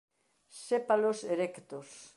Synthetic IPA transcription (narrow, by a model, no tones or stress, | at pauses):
sepaloseɾekt̪os